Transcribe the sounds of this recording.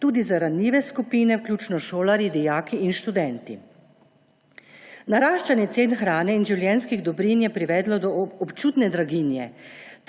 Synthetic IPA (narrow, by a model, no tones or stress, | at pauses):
t̪uːd̪izaɾanjiːʋɛskupiːnɛwklʲjuːt͡ʃnɔʃoːlaɾjid̪ijaːkiinʃt̪ud̪ɛnt̪i | naɾaːʃt͡ʃanjɛt̪seːnxɾaːnɛinʒiwljɛnskiɣd̪ɔbɾinjɛpɾiʋɛːd̪lɔd̪ɔɔpt͡ʃuːt̪nɛd̪ɾaɡinjɛt̪